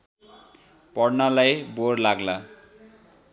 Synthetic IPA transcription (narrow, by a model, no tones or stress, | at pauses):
pɔrnalajborlaɡla